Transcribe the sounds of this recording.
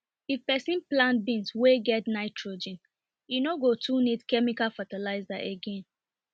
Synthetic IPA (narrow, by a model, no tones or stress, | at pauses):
ifpɛsĩnplãntbĩnsweɡɛtnaɪtʰɹod͡ʒɛ̃n | junoɡotʰunidkɛmikalfatalaɪzaʔeɡẽn